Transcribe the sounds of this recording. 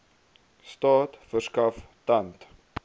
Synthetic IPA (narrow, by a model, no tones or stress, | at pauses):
stɑːtfərskɐftɐnt